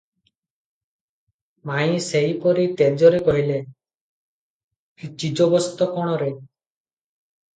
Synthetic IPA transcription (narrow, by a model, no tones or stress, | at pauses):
maĩseɦipɔɾit̪ed͡ʒɔɾekɔɦile | it͡ʃid͡ʒɔbɔst̪ɔkɔɽ̃ɔɾe